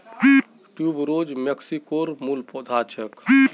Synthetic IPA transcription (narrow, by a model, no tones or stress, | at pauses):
ʈjubɾod͡ʒmeksikoɾmulpɔd̪ʱat͡ʃʰək